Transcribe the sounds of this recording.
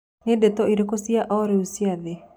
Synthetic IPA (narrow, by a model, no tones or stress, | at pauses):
nedetɔiɾekosijaʔɔɾeusiaðe